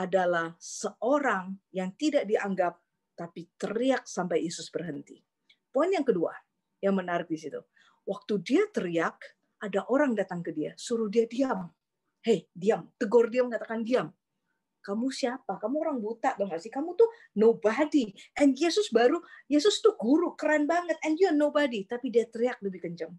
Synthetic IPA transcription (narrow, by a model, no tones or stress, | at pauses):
ʔadalahsəʔoɾaŋjaŋt̪idaʔdiʔaŋɡap̚ | t̪apit̪əɾiak̚sampajjesʊsbərɦənt̪ḭ | poinjaŋkədua̰ | jaŋmənaɾɪk̚disit̪ṵ | wak̚t̪udiat̪əɾiak̚ | ʔadaʔoɾaŋdat̪aŋkədia̰suɾuhdiadiam | hejdiamt̪əɡɔrdiamkat̪akandiam | kamusiapakamuoɾaŋbut̪aʔbaŋasɪkamut̪u | nobadiʔɛnjesʊsbaɾujesʊst̪uɡuɾukəɾanbaŋət̪̚ɛnd͡ʒuanobadit̪apidiat̪əɾiak̚ləbɪhkəɲt͡ʃaŋ